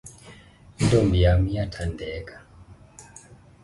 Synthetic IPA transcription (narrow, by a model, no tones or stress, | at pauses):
ndɔmbijamijatʰandɛkḁ